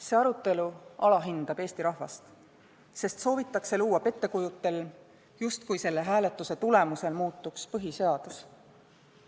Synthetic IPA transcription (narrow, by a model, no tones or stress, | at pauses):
se̞ːɑɾut̪ːˑe̞luɑlɑɦind̪̥ɑb̥e̞ːst̪iɾɑhvɑ̰st̪ | se̞st̪so̞ːvit̪ːˑɑkse̞luːɑpe̞t̪ːe̞kujut̪ːˑe̞l | just̪kujse̞lːe̞ɦæːle̞t̪ːˑuse̞t̪ule̞muse̞lmuːt̪ːˑukspɤɦise̞ɑd̪̥us